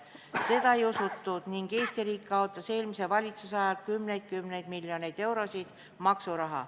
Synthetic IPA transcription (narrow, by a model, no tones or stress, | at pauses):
se̞d̪̥ɑe̞josut̪ːˑud̪̥niŋɡejst̪iɾiːkːˑɑot̪ːˑɑse̞ːlmisevɑlʲit̪susɑjɑlkymne̞jd̪̥̚kymne̞jd̪̥milʲjone̞jd̪̥e̞wɾo̞sʲid̪̥ | mɑksuɾɑɦɑ̰